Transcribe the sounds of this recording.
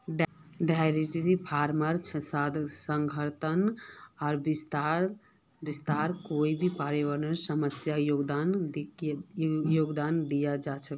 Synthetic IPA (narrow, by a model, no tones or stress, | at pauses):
ɖajɾiʈiɾipʰaɾməɾt͡ʃʰsad̪səŋɡʱəɾt̪ʰənɔːɾbist̪aɾ | bist̪aɾkoibʱipaɾeʋəɾnəɾsəməsjajoɡd̪an | joɡd̪and̪ijad͡ʒat͡ʃʰək